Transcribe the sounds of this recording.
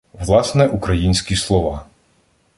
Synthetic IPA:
ʋlˠɑsnɛʔukɾɐjinʲsʲkʲislˠɔʋɑ

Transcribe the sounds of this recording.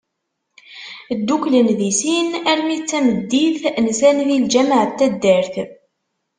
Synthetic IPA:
d̪ːuklənðisinæɾmit͡sːæməd̪ːiθnsænðild͡ʒæməʕət̪ːæd̪ːəɾθ

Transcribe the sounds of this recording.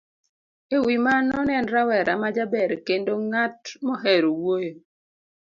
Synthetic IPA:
ewimanɔnɛnɾawɛɾamad͡ʒabɛɾkendoŋatmɔɦɛɾowojo

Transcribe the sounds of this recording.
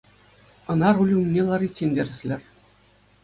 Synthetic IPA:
ɤ̆nɑɾulʲumʲnʲːelˠɑɾʲitʲːenʲdʲĕrʲɘ̆sʲlʲɘ̆rʲ

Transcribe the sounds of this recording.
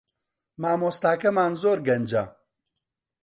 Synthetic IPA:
maːmoːst̪aːkɐmaːnzoːɾɡɐnd͡ʒa̰

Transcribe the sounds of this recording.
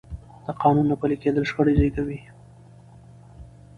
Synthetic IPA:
d̪̥əqɑnunːapaleked̪əlʂxəɽad͡ʒɑjk̪awi

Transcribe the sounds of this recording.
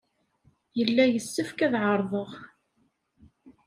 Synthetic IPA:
jəlːæjəsːəfkæðʕəɾˤðˤəʁ

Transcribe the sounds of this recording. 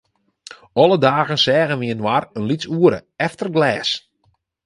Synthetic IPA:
ɔlˠədaːɣənsɛːɣənʋiənwarənlisuəɾə̰ɛftərɡlɛːs

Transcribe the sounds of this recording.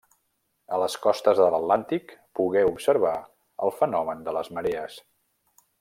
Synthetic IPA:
ələskɔst̪əzðələt̪lant̪ikpuɣɛupsəɾβa | ə̰lˠfənɔmənd̪ələzməɾeəs

